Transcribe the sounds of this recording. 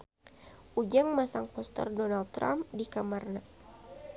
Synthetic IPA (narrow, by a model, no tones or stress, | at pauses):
ʔud͡ʒaŋmasaŋpɔst̪ə̰rdɔnald̪̚t̪ːɾa̰mdikamarna